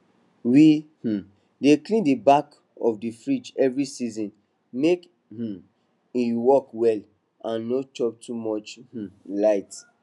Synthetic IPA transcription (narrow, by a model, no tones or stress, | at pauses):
wih̩ | deklĩndibak | ɔfdifɹit͡ʃɛvɹisizɔ̃n | mek | h̩ | iwɔkwɛl | ãnːot͡ʃɔp̚tʰumɔt͡ʃh̩laɪt